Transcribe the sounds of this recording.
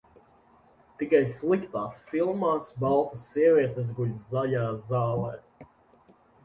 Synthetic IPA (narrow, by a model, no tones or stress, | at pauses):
t̪ikajslˠikt̪aːsfilˠmaːsbɑlˠt̪usiɛvʲiɛt̪es̬ɡuʎʲzaʎaːzaːlˠɛː